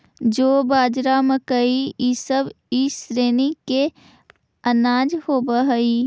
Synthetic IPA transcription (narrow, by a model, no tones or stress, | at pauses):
d͡ʒoːbaːd͡ʒɾaməkəiisəb | isɾeːnike | ɐnaːd͡ʒhoːbəɦəiː